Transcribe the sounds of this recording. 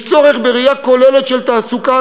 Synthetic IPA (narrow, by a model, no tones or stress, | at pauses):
t͡so̞ʁeχbeʁijakolelet̪ʃelt̪aːsuka